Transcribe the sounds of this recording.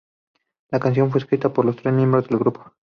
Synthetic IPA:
lakans̬jo̞ɱf̬weskɾit̪apo̞ɾlo̞st̪ɾesmjẽ̞mbɾo̞zðe̞lɡɾupo

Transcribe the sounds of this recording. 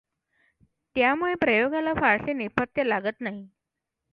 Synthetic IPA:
t̪jamuɭepɾəjoɡalafaɭsenepət̪jəlaɡət̪naɦi

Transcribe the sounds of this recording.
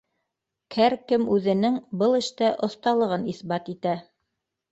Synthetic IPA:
kʰæɾkɘmʉðɘ̆nɘŋbɤlˠɘ̆ʃt̪æʔŏθt̪ɑlˠɤ̆ʁɤniθbɑt̪it̪æ

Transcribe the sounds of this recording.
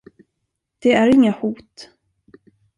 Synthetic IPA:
d̪̥ɛæɾɪŋːahuːt̪

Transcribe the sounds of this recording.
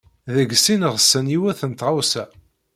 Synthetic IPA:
ðəɡsinəʁsːəniwæθənt̪ʁɑwsæ

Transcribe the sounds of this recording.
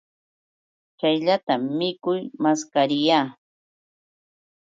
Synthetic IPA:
t͡ʃajʎat̪amːɪkʊjmaskaɾɪjaː

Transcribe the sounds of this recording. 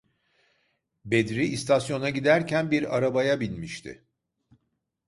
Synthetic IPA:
bed̪ɾiːst̪ʰasjo̞naɟid̪æɾcʰænbiɾa̰ɾabajabinʲmiʃt̪ʰɪ̰

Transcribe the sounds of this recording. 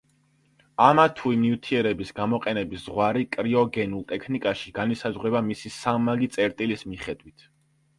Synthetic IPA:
amat̪ʰuimnivt̪ʰiɛɾɛbisɡamɔqʼɛnɛbisz̥ʁwaɾikʼɾiɔɡɛnulˠt̪ʼɛkʰnikʼaʃiɡ̥anisazʁɾɛbamisisamaɡit̪sʼɛɾt̪ʼilismiχɛd̪wit̪ʰ

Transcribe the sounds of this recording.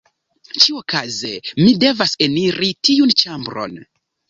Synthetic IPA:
t͡ʃiokazemide̞vase̞niɾitiunt͡ʃambɾo̞̰n

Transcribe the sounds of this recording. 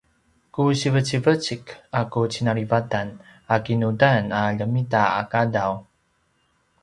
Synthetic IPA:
kuɕivət͡ɕivət͡ɕikakut͡ɕinaɾivatanakinudanaʎəmitaa̰kadaw

